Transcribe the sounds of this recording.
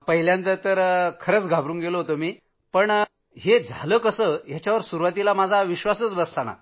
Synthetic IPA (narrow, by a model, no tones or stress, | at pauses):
pəɦiljãnt̪ət̪əɾkʰəɾət͡sɡʱabɾuːŋɡeloɦot̪omiː | pəɳ | ɦed͡zʱaləːkəsəjat͡ɕjaʋəɾsuɾuʋat̪ilamad͡zʱaʋiɕʋasət͡sbəst͡sana̰